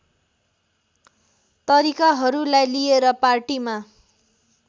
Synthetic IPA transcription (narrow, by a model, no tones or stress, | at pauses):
t̪ʌɾikaɦʌɾulajlieɾʌparʈima